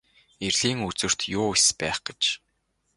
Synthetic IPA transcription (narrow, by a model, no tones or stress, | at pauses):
erɮiːŋut͡sɵ̆r̥t̪jʊːespæːχɡ̥e̥t͡ɕ